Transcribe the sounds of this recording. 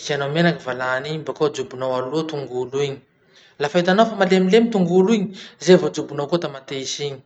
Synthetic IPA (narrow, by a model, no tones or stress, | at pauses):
isanomenakəvalaːnimbakod͡zubunowalut̪uŋɡuluiɲi̥ | lafait̪anowfamalemilemit̪uŋɡuluiɲizevod͡zubunowkot̪amat̪eisiɲi̥